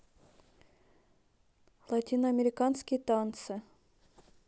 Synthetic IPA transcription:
lˠatʲinəɐmʲeɾʲɪkanskʲɪjt̪ant̪sɨ

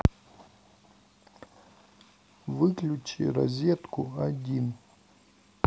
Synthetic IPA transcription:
vɨklʲʊt͡ɕɪɾɐ̰zʲet̪kʊɐdʲin

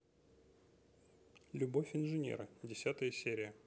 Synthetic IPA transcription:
lʲʊbo̞fʲɪnʐɨnʲḛɾɨdʲɪsʲat̪əjəsʲeɾʲɪjə

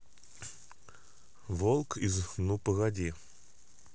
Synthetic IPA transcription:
volˠkɪzxnupəɣɐdʲi

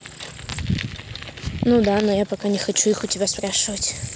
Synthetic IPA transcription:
nud̪anojapɐkanʲɪxɐt͡ɕuixʊtʲɪbʲaspɾaʂɨvətʲ

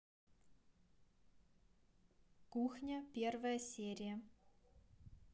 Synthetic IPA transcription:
kuxnʲəpʲervəjəsʲeːɾʲijə

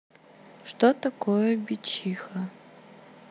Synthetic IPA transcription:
ʂt̪ot̪ɐkojəbʲɪt͡ɕixə

